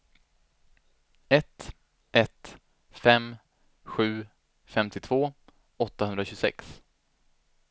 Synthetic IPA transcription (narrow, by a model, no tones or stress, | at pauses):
ɛt̪ | ʔɛt̪ | fɛm | ɧʉ̟ː | fɛmt̪ɪt̪ʰv̥oː | ɔt̪ːahɵnɾaɕɵsɛ̰ks